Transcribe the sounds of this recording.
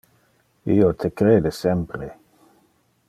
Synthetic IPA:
iːot̪ʰekɾeːd̪esɛmpɾe

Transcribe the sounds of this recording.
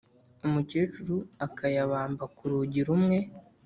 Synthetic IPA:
umuceːt͡ʃuɾuakʰajaβaːmbakuɾuːɟiɾumŋe̞

